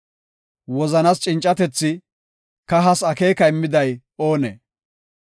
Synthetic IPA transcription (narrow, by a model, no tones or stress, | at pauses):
wɔzɐnast͡ʃʼɪnt͡ʃʼːɐt̪ɛt͡sːɪ | kɐɦɐsɐkeːkɐɪmːɪd̪ɐj | o̞ːnḛ